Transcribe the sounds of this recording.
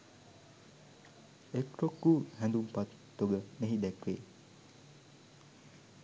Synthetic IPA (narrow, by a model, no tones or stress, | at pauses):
ekɾokːuːhæ̃nd̪umpat̪ːoɡəneɦid̪ɛkʋeː